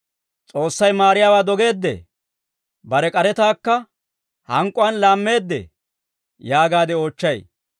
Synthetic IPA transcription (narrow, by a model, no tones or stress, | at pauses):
t͡sʼo̞ːsːɐjmaːɾɪjaːwaːd̪ɔɡe̞ːd̪ːɛ̰ | bɐɾɛkʼɐɾɛt̪aːkːɐ | hɐŋkʼːʊwɐnlaːmːe̞ːd̪ːɛ̰ | jaːɡaːd̪ɛo̞ːt͡ʃːɐj